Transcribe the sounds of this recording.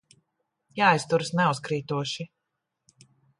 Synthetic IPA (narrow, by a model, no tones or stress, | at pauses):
jaːjst̪uɾsnɛuskɾiːt̪uɔʃi